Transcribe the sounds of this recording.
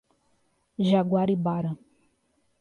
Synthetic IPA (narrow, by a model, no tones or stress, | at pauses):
ʒaɡwaɾibaɾɐ